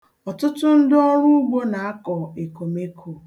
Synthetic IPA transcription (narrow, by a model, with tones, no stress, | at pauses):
ɔ˨tʊ˦tʊ˦n̩˦dɔ˦ɾu˦ɡ͡bo˦na˨a˦kɔ˨e˨ko˨me˦kʰo˨